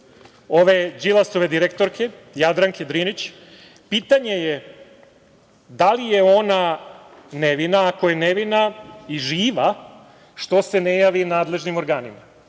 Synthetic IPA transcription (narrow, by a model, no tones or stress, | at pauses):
o̞ʋe̞d͡ʑilˠaso̞ʋe̞d̪iɾekt̪o̞ɾkʰe̞jad̪ɾaŋked̪ɾinit͡ɕ | piːt̪aɲe̞je | d̪alije̞o̞na | ne̞ʋinaːko̞jeneʋinaiʒiːʋa | ʃt̪o̞se̞nejaʋinaːd̪le̞ʒnimo̞ɾɡaːnima